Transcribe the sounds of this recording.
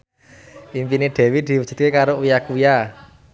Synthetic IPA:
impineɖ̪̥ɛ̤wid̪̥i̤wud̥ʒ̥ṳt̪̚kekaɾoujakuja

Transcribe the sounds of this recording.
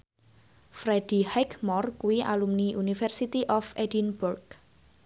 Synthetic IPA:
fɾed̥i̤hakmɔrkuwia̰lumniʔunifɛrsit̪iʔɔfedinburɡ

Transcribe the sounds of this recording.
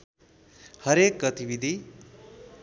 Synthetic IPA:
hʌɾek̚ɡʌt̪ibid̪ʱi

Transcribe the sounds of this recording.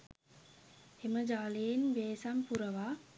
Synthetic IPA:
heməd͡ʒaːlijenʋeːsampuɾəʋaː

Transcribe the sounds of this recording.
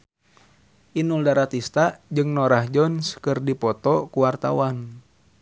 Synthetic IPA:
ʔinuldaɾat̪ist̪ad͡ʒɨŋnɔɾahd͡ʒɔnskɨrdipɔt̪ɔkuwart̪a̰wan

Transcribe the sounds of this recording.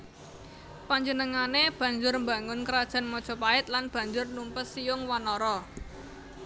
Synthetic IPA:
paɲd͡ʒənəŋaneb̥ä̤ɲd͡ʒʊrmbaŋʊnkəɾad̥ʒ̥a̤nmɔd̥ʒ̥ɔ̤paɪt̪̚lanb̥ä̤ɲd͡ʒʊrnumpəsijʊŋwanɔɾɔ

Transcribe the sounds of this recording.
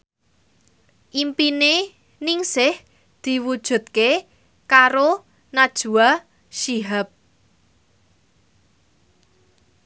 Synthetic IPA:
ʔimpine | nɪŋsɪh | d̪̥i̤wud̥ʒ̥ṳt̪̚ke | kaɾo | nad̥ʒ̥ṳa | ʃiɦap̚

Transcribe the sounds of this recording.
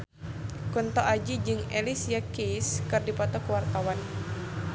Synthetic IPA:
kunt̪ɔʔad͡ʒid͡ʒɨŋelisiakeskɨrdipɔt̪ɔkəwart̪awan

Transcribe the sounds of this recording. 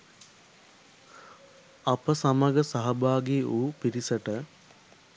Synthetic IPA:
ɐpəsaməɡəsaɦɐbaːɡeʔuːpiɾisəʈə

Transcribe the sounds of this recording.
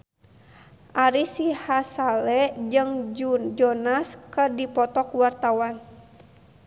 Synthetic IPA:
ʔaɾisihasalɛd͡ʒɨŋd͡ʒd͡ʒɔnaskədipɔt̪ɔkuwart̪awan

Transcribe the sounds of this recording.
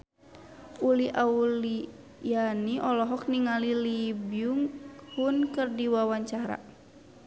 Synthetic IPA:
uliʔauli | janiʔɔlɔɦɔk̚niŋalilibiuŋhunkɨrdiwawaɲt͡ʃaɾa̰

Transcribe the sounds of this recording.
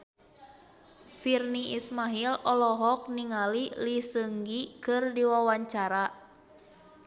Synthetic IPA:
firniʔismaɦilɔlɔɦɔk̚niŋalilisəŋɡikɨrdiwawaɲt͡ʃaɾa

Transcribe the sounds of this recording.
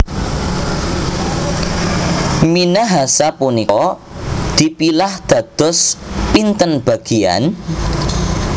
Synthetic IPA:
minaɦasapunikɔ | d̪̥i̤pilahd̪̥a̤d̪̥ɔ̤spint̪ənb̥a̤ɡ̥ia̰n

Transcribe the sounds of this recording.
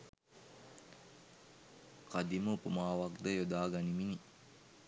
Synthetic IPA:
kad̪iməupumaːʋakd̪əjod̪aːɡanimini

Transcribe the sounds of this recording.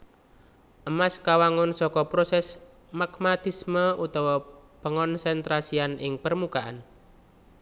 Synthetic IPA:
ʔəmaskawaŋʊnsɔkɔpɾosɛs | makmat̪isməʔut̪ɔwɔpəŋɔnsɛnt̪ɾasianɪŋpərmukaʔa̰n

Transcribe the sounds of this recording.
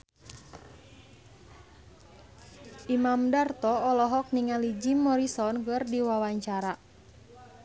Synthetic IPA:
ʔimamdart̪ɔːlɔɦɔk̚niŋalid͡ʒimɔɾisɔnkɨrdiwawaɲt͡ʃaɾa

